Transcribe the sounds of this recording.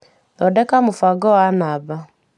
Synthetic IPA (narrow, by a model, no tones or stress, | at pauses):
nɔdɛkamufaɡɔwanaba